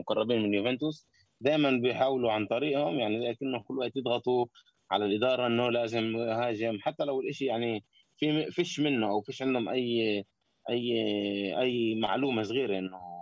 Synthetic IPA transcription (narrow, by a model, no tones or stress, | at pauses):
mʊqɑrˤːɑbiːnmɪnjuvɛnt̪ʊs | d̪aːjmanbɪjħaːwluʕant̪ˤɑɾiːʔhʊmjaʕnilaːkɪnːʊkʊlːwaʔt̪jɪd̪ɣɑt̪ˤu | ʕa̰lalʔɪd̪ɑːɾˤɑʔɪnːʊlaːzɪmhaːʒɪmħat̪ːalawɪlʔɪʃijaʕni | fifiʃmɪnːʊʔawfiːʃʕɪnd̪hʊmʔajː | ʔajːʔajːma̰ʕluːmas̬ɣiːɾeʔɪnːʊ